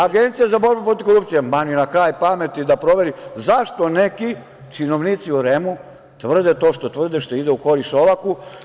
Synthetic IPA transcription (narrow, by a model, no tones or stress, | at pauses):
aɡent̪sijazabo̞ɾbupɾo̞t̪iʋkoɾup̚t̪ijemanujenakɾaːjpame̞t̪id̪apɾo̞ʋe̞ɾizaʃt̪o̞neki | t͡ʃino̞ʋnit̪siuɾemu | t̪ʋr̩d̪et̪o̞ʃt̪o̞t̪ʋr̩d̪eʃt̪oid̪euko̞ɾiʃoʋaku